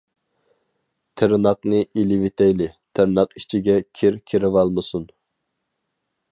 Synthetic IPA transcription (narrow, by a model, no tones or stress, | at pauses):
t̪ʰɪɾnɑq̚nɨʔilɪvet̪ʰɛjlɪt̪ʰɪɾnɑqit͡ʃʰiɡʲɛkʲʰeɾkʲʰeɾɪvɑlˠmɨsun